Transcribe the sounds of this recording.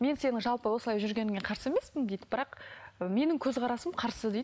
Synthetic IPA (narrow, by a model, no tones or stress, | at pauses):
me̞nse̞nɪŋʒɑlˠpəwo̞səlˠɑjʒʏɾɡʲe̞nɪŋeqʰɑɾsəe̞me̞spɪnd̪ejd̪ɪbɪɾɑqəme̞nɪŋkʲʰɵzʁɑɾɑsəmqʰɑɾsəd̪ej̪